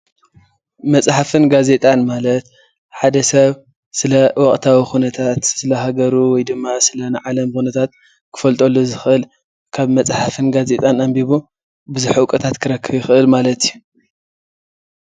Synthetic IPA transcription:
mɐt͡sʼħafɨnɡaze̞t̪ʼanmalɐt̪ | ħad̪ɐsɐβ | sɨlɐwɔχʼt̪ʰawixunɐt̪ʰat̪sɨlɐɦaɡɐɾuwɔjd̪ɨmːasɨlɐnɨʕalɐmxunɐt̪ʰat̪̚ | kʰɨ̥fɐlt̪ʼolːozɨxʔɨl | kʰaβmɐt͡sʼħafɨnɡaze̞t̪ʼanambiβu | bɨzuħukʼɐt̪ʰat̪kʰɨɾɐkʰːɨβjɪxɨʔɨlmalɐt̪iju

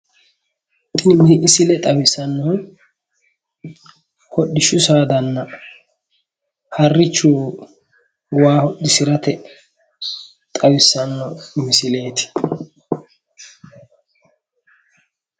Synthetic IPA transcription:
t̪ɪmɪʔɪsɪlɛt̪ʼɐwɪsɐnːɔ | hɔɗːɪʃʊsaːd̪ɐnːɐ | hɐrːɪt͡ʃːuː | waːhɔɗɪsɪɾɐt̪ɛ | t̪ʼɐwɪsːɐnːɔɪmɪsɪle̞ːt̪ɪ̥

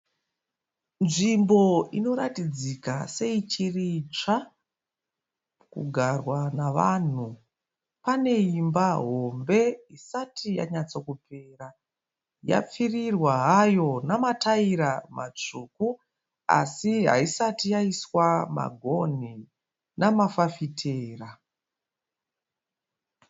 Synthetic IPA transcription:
nʐimbo̞ino̞ɾatid͡zikase̞it͡ʃirit͡ʂa | kṵɡʱarwanaʋan̤u | pane̞imbaɦo̞mbe̞isatʰija̰ɲat͡so̞kupʰeːra | ja̰p͡firirwaɦajo̞namataiɾamat͡ʂuku | a̰siɦa̰isatijaiswama̰ɡʱo̞n̤i | namafafitʰeːra

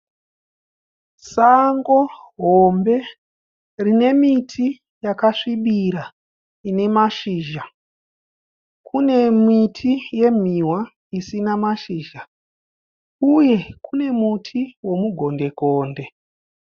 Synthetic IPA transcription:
saŋɡo̞ɦombe̞ | rine̞mitʰi | jakaʂiɓiɾa | ine̞maʃiːʒa | kʰune̞mitʰije̞m̤iwa | isinamaʃiːʒa | uje̞kune̞mutʰiwo̞muɡʱo̞nde̞koːnde̞

